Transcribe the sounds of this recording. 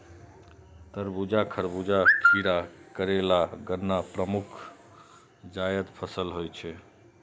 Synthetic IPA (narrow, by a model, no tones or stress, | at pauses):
t̪əɾbud͡ʒakʰəɾbud͡ʒaʈʰiɾakəɾelaɡənːapɾəmukʰ | d͡ʒajəd̪pʰəsəlɦojt͡ʃʰɛ